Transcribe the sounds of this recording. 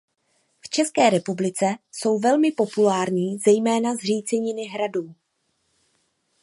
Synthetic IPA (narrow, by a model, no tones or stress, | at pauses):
ft͡ʃɛskɛːɾɛpublɪt͡sɛso̞wvɛlmɪpo̞pulaːɾɲiːzɛjmɛːnazr̝iːt͡sɛɲɪnɪɦɾaduː